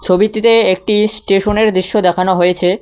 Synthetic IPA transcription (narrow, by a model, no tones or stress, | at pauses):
t͡ɕʰobit̪it̪eek̚ʈisʈeʃoneɾd̪ɾiʃːod̪ɛkʰanoɦojet͡ɕʰe